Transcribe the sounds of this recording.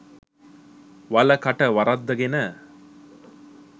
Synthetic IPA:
ʋɐlɐkɐʈɐʋɐɾɐd̪ːɐɡenə

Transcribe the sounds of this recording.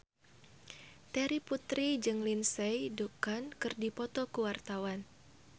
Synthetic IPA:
t̪ɛɾiput̪ɾid͡ʒɨŋlinsɛjdukankɨrdipɔt̪ɔkuwart̪awan

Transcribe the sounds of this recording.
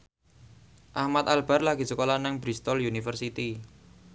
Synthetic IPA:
ʔahmat̪̚albarlaɡi̤səkolanaŋbɾist̪ɔljunifərsit̪i

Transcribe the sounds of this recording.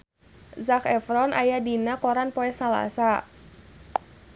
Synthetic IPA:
zakɛfɾɔnʔajadinakɔɾanpɔɛsala̰sa

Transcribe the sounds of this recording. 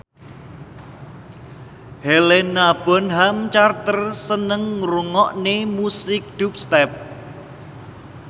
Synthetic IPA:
helenab̥ɔ̤nɦamt͡ʃart̪ərsənəŋruŋɔʔnemusɪk̚ɖ̥up̚st̪ɛp̚

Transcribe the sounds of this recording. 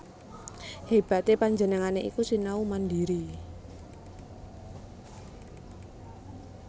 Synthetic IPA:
heb̥a̤t̪epaɲd͡ʒənəŋaneʔḭkusinaumandiɾi

